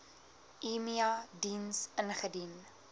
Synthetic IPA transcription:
imiɐdinsənχədin

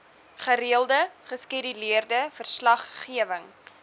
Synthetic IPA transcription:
χəɾiəlˠdəχəskidiliərdəfərslɐχːiəvəŋ

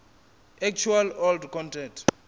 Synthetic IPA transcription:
ɛk̚t͡ʃʰualɔldkʰɔ̃ntʰɛnt

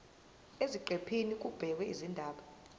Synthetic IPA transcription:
eziǃepʰinik̬ʼub̥ʱɛk̬wɛizindʱaːɓa

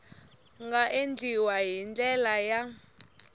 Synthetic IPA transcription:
ŋɡaʔend͡ɮʱiwaɦind͡ɮʼɛlaja

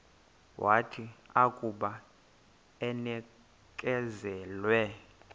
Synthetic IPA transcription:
wʔatʰiakʼuɓa | ɛnɛ | kʼɛzɛːlwɛ

